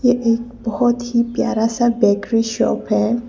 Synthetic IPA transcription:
jeʔek̚bɔhɔt̪hipja̰ɾasabɛɡɾiʃɔ̰pʰɛ

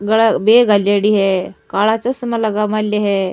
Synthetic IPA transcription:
ɡəɭabeɡaljaɽiɦɛkaɭat͡səsəmələɡamalːəɦɛ

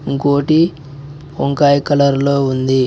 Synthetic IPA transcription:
ŋkoːʈi | oŋkaːjkɐlɐɾloːund̪i

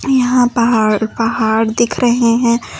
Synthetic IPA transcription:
jɐɦãpɐɦaːɾpɐɦaːɽd̪ɪkʰɾɐɦeɦɛ̃ː

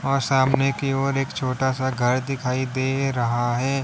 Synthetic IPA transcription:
ɔːɾsaːmnekeoːɾeːkt͡ʃʰoːʈasaɡʱɐɾd̪ɪkʰaːid̪eːɾɐɦaɦɛː

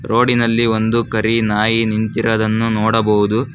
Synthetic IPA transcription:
ɾoːɖinɐlːio̞nd̪ukɐɾinaːjinint̪iɾɐd̪ɐnːunɔːɽɐbɐʋud̪u

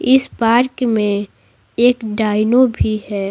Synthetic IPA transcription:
ɪspaːɾkmẽ | eːkɖaːɪnobʱihɛː

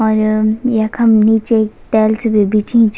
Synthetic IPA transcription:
ɔːɾjɐkɐmniːt͡ʃekt̪ɛːlsebebit͡ʃĩt͡ʃ

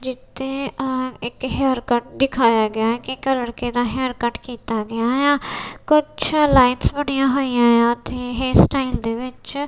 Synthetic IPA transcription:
d͡ʒɪt̪ʰːeːɪkɦeːɾkəʈ̚d̪ɪkʰaːjaːɡɪaːkɪkləɽkeːd̪aːɦeːɾkəʈkiːt̪aːɡɪaːjãːkʊt͡ʃʰlaːɪnsbəɳɪjãːɦoːijãːjãːt̪eːɦeːsʈaːɪld̪eːʋɪt͡ʃ

